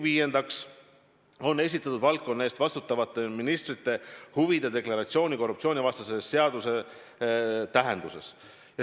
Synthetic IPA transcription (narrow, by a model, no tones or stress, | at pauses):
viːje̞nd̪̥ɑks | o̞nːe̞s̬it̪ːˑɑt̪ud̪vɑlt̪̚konːe̞ːst̪vɑst̪ut̪ːˑɑvɑt̪ːˑe̞minist̪rit̪ːe̞huvid̪̥ed̪e̞klɑɾɑt̪sio̞ːnʲiko̞rːupt̪sio̞ːnʲivɑst̪ɑsesːe̞ɑd̪̥use̞ | t̪æɦe̞nd̪use̞̰s | jɑ